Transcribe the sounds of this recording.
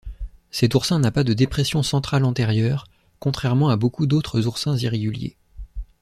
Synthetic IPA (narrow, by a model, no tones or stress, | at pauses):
sɛt̪uʁsɛ̃napad̪əd̪epχɛsjɔ̃sɑ̃t̪χalɑ̃t̪ɛʁjœːʁ | kɔ̃t̪χɛʁmɑ̃abokud̪ot̪χəzuʁsɛ̃ziʁeɡʲyljḛ